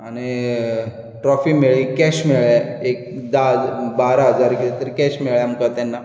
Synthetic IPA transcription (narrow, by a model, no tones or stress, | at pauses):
añi | ʈɾɔfimeɭikɛɕmeɭaek̚d̪ad̪baɾaɦəd͡zaɾkit̪et̪əɾikɛɕmeɭjaməkat̪anːa